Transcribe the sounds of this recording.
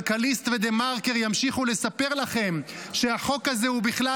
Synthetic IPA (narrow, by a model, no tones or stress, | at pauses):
kalist̪ved̪emaʁkeʁjamʃiχule̞sape̞ʁlaχe̞m | ʃe̞aχo̞kaze̞hubiχla